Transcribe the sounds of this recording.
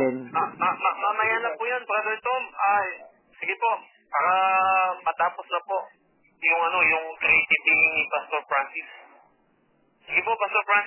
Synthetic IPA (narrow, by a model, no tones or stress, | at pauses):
ɛnaɐmɐmɐmɐjaːnɐpuːjanpɐkɐd̪ɛnt̪omaj | sɪɡɪpo̞ʔ | paːɾɐmɐt̪aːposnɐpo̞ʔ | jʊŋʔɐno̞jʊŋkɾejt̪ɪbihɪŋnɪpast̪oɹpɹansɪs | sɪɡɪpo̞past̪oɹpɹans